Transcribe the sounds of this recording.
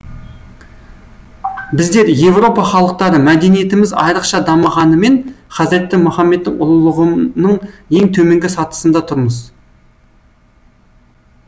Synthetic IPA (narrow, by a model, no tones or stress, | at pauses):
bɪzd̪e̞ɾje̞vro̞pɑχɑlˠəq̚t̪ɑɾəmæd̪e̞nije̞t̪ɪmɪzɑ̰jɾəqʃɑd̪ɑməʁɑnəme̞nχɑzɪɾet̪ːɪmʊχɑmːe̞t̪ːɪŋʊlˠlˠəʁənəɴje̞ŋt̪ʰɵme̞ŋɡʲɪsɑt̪ə̥sənd̪ɑt̪ʰʊɾməz